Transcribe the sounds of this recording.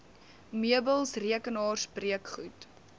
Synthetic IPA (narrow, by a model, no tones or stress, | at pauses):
miəbəlˠsriəkənɑːrsbriəkχut